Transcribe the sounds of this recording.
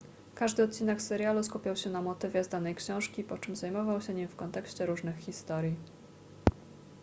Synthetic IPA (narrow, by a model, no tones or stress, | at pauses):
kaʐd̪ɘɔt̪̚t͡ɕinɛksɛɾjaluskupʲawɕɛnamɔt̪ɘvʲjɛzd̪anɛjkɕɔ̃w̃ʂkʲipɔt͡ʂɘmzajmɔvawɕɛɲimfkɔnt̪ɛkɕt͡ɕɛɾuʐnɘxxʲist̪ɔɾʲji